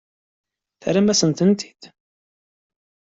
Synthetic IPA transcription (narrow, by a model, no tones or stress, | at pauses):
θɾæmæsənt̪ənt̪i̥d̪̥